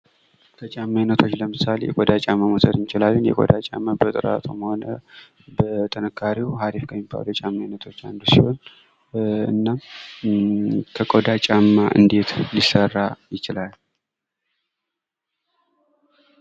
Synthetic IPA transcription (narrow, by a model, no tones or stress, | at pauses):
k̪ʰət͡ʃʼamːanət̪ʰo̞t͡ʃːləmɨsalejɛ̰kʼod̪at͡ʃʼamːamosəd̪ɨnt͡ʃɪlalːɨnjɛ̰kʼo̰d̪at͡ʃʼa̰mːabət̪ʼɨɾa̰t̪ʰʼumho̞nə̰ | bət̪ʼʰɨnɨkʰːaɾiwɦaɾifkʰəmːibːa̰lut͡ʃʼamːanːət̪ʰo̞t͡ʃːa̰nd̪usiho̞n | ɨ̰nːam | kʰəkʼod̪at͡ʃʼamːaʔɨ̰nd̪e̞t̪lisərːajɪt͡ʃɪlal